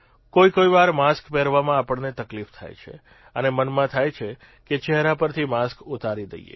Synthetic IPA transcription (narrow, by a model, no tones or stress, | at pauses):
koikoiʋaɾmaskpɛɾʋamãapəɳnet̪əklift̪ʰa̰jt͡ʃʰḛ | ənemənmãt̪ʰajt͡ʃʰe | ket͡ʃɛɦɾapəɾt̪ʰimaskut̪aɾid̪ə̰jḛ